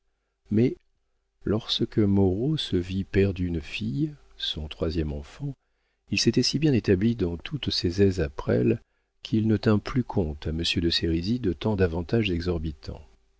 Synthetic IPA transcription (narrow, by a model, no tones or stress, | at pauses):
mɛ | lɔʁsəkəmɔʁosəvipɛʁd̪ynfij | sɔ̃t̪χwazjɛmɑ̃fɑ̃ | ilset̪ɛsibjɛ̃et̪ablid̪ɑ̃t̪ʰut̪sezɛzapχɛ̰l | kʰilnət̪ɛ̃plykʰɔ̃t̪aməsjød̪əseʁizid̪ət̪ɑ̃d̪avɑ̃t̪aʒzɛɡzɔʁbit̪ʰɑ̰̃